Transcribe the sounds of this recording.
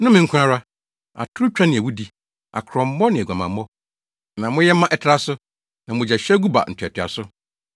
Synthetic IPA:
nʊ̃˦mɪ̃˨ŋ̩˦kʰʊ̃˦ã˦ɾa˦ | a̰˨tʰʊ˦t͡ɕᶣã˦nɪ̃˨æ˨wu˦di˦ | a̰˨kʰɾɔ̃˨m̩˦mɔ˦nɪ̃˨ɛ˨ɡʷã˨mã˨mː˦ɔ˦ | nã˨mʊ̃˦jɛ˦mã˦ʔɛ˨tʰɾa˦sʊ˦ | nã˨mʊ̃˨d͡ʑɛ˨ɕᶣɛ˦ɡu˦ba̰˨n̩˨tʰɛ˨tʰɪ˨a̰˨sʊ˦

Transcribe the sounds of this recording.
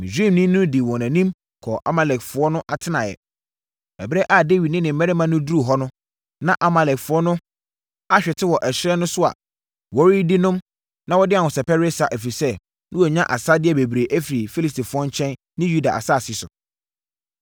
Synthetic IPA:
mĩ˨sᶣĩ˦˨nĩ˦nʊ̃˦di˨wɔ̃˨næ̃˨nĩ˦m | kʰɔ˨ʔa̰˦ma˨lɛ˨kfʊ˦ɔ˦nʊ̃˦ʔa˨tʰɪ˦nã˨jɛ̰˨ | ɛ˨bɾɛ˦ʔa˦˨de˦˨ɥi˨nɪ̃˦nɪ̃˨m̩˨mɛ̃˦ɾɪ˦mã˨˦nʊ̃˦du˦ɾu˨ɦɔ˦nʊ̃˦ | nã˦ʔa˨ma˨lɛ˨kfʊ˨˦ɔ˦nʊ̃˦ | a˦ɕᶣɛ˨tʰɪ˦wɔ˨ʔɛ˨ɕɪ˦ɾɛ˦nʊ̃˦sʊ˦a̰˨ | wɔ˦ɾi˦dɪ˦nʊ̃˦m | nã˦wɔ˦dɪ˦a˨wʊ˨sɛ˨pɛ˦ɾɪ˦e˦sa˨ʔæ˨fi˨sɛ˦ | nʊ̃˦wɔ˨ɲã˦ʔa̰˨sa˦dɪ˦ɛ˦be˨bɾe˨ʔæ˦fi˨ɾi˨fi˦li˨sti˨fʊ˨˦ɔ˦ɲ˦t͡ɕʰɛ̃˦n | nɪ̃˦ju˦da̰˨ʔa̰˨sa˦˨si˦sʊ̰˨

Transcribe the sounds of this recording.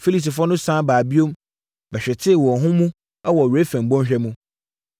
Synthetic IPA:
fi˦li˨ti˨fɾɔ˦nʊ̃˦sãː˦baː˨bi˦õ˦m | bɛ˨ɕᶣɛ˨tʰɪ˦˨wɔ˨ɦʊ̃˦mũ˦ | ɛ˦wɔ˨ɥe˦fæ̃˨m̩˨bɔ̃˦n˦ɕᶣɛ˦mũ˦

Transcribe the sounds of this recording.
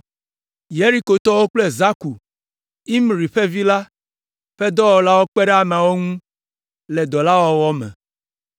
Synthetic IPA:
je˦ɾi˦ko˨t̪ɔ˦wo˦k͡ple˦za˦ku˨ | i˦mɾi˨ɸe˦vi˦la˦ | ɸe˦d̪ɔ˦wɔ˨la˦wo˦k͡pe˦ɖe˦a˦mã˨wo˦ŋũ˦ | le˨d̪ɔ˨la˦wɔ˦wɔ˦mɛ̰̃˨

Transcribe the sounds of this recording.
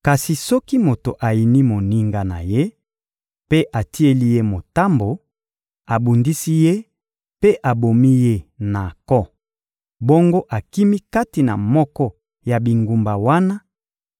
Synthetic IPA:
ka˨si˨sɔ˦ki˦mo˨to˨ʔa˨ji˨ni˦mo˨ni˦ŋɡa˦na̰˨je˦ | pe˦ʔa˨ti˦e˦li˦je˦mo˨ta˦mbo˨ | a˨bu˨ndi˦si˦je˦ | pe˦ʔa˨bo˨mi˦je˦na˨kɔ˦ | bo˦ŋɡo˦ʔa˨ki˦mi˦ka˦ti˨na̰˨mɔ˦kɔ˦ | ja˨bi˨ŋɡu˨mba˨wa˦na˦

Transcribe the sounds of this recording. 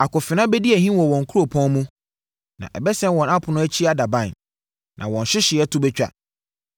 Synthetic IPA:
a˨kʊ˨fɪ˨nã˦bɛ˦di˦æ˨hĩ˦wɔ̃˨wɔ̃˨ŋ̩˨kʰu˦ɾo˨pʰɔ̃˦mũ˦ | nã̰˨ʔɛ˨bɛ˦sɛ̃˦nwɔ̃˨na˦pʰʊ˨nʊ̃˦æ˦t͡ɕʰi˦a˨da˨bã˦˨n | nʔã˨wɔ̃˨n˨ɕɪ˦ɕɪ˨ɛ˦tʰʊ˦bɛ˦t͡ɕᶣa̰˦

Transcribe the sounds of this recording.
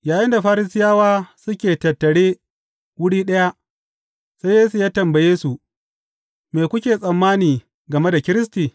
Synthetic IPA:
jaː˨jɪ˦nda˨ɸaː˦ɾɪ˦sɪ˦jaː˦waː˦sʊ˦kʲeː˨tɐ˨tːɐ˨ɽeː˦ | wʊ˦ɽiː˦ɗɐ˦ja˦ʔ | sa˦jeː˦su˨jaː˦tɐ˨mbɐ˨jeː˦su˨ | meː˨kʷʊ˦kʲeː˨sʼɐ˨mːaː˦niː˨ | ɡɐ˨me˦da˨kʲɪ˦ɾɪ˦stiː˨

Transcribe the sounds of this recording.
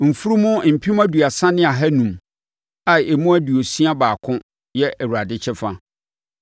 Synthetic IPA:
m̩˨fu˦ɾu˦mʊ̃˦m̩˨pʰi˦m˦æ˦du˨a˨sã˦nɪ̃˦a˨ɦɛ˦nũ˨m | a˨e˨mũ˦æ˦du˨o˨sĩ˦a˦baː˨kʰʊ̃˦ | jɛ˦ʔwu˨ɾa˨dɪ˦t͡ɕʰɛ˦fa˦

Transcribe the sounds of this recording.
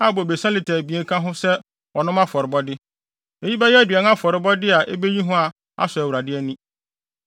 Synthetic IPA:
a˦˨bɔ˨be˨sã˦lɪ˨tʰɛ˨bi˨ẽ˦kʰã˦ɦʊ̃˦sɛ˦ | ɔ˨nʊ̃˦mã˦fɔ˨ɾɪ˨bɔ˦dɪ˦ | e˨ji˦ba˦jɛ˦æ˦dɥɛ˨n˦ã˦fɔ˨ɾɪ˨bɔ˦dɪ˦a˨ʔe˦be˦ji˦ɦʊ̃˦a˨ | a̰˦sʊ˨æ˨wu˨ɾa˨dɪ˦ɛ˦nĩ˦

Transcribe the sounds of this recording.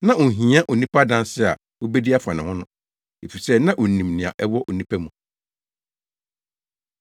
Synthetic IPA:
nã˦ʊ̃˨ɦĩ˨˦a˦ʔo˨nĩ˦pʰa˦dã˦n˦sɪ˦a̰˨ | wo˦bɛ˦di˦a˦fã˨nɪ̃˨hʊ̃˦nʊ̃˦ | e˨fi˨sɛ˦nã˦ʔo˨nĩ˨mnɪ̃˨ã̰˨ʔɛ˦wɔ˦ʔo˨nĩ˦pʰæ˦mũ˨

